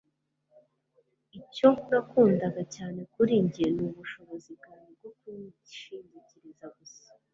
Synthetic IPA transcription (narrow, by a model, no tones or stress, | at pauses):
iconakuːndaɡacaːne̞kuɾiːɲɟienuβuʃo̞βo̞ziɡaːɲeb̚ɡoku | ʃiːɲɟiciɾizaɡusḁ